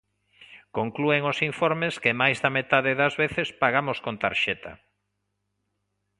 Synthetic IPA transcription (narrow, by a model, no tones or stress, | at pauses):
koŋklueŋosiɱfɔɾmeskɪmajzðɐmet̪aðɪðɐzβeθespaɣamoskont̪a̰ɾʃɛt̪a̰